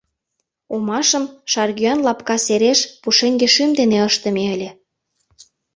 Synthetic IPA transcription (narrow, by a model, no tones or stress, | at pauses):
omɑʃə̆mʃɑrɣyɑnlɑpkɑseɾeʃpuʃeŋɡeʃymd̪eneəʃt̪ə̆meəlʲĕ